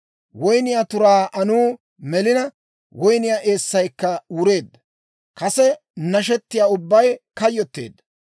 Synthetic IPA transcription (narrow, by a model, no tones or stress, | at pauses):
wɔjnɪjaːt̪ʊɾaːʔɐnuː | mɛlɪnɐ | wɔjnɪjaːʔe̞ːsːɐjkːɐuːɾe̞ːd̪ːɐ | kɐsɛ | nɐʃ̬ɛt̪ːɪjaːʊbːɐjkɐjːɔt̪ːḛːd̪ːɐ̥